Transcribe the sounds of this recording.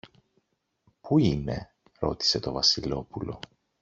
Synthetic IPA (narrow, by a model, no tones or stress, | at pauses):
puine̞̰ | ɾo̞t̪i̥se̞t̪o̞vɐsilo̞pulo̞